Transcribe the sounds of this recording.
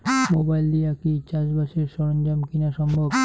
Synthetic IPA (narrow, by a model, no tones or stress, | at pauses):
mobajld̪iakit͡ɕad͡ʑbaʃeɾʃɔɾond͡ʑamkinaʃɔmbʱob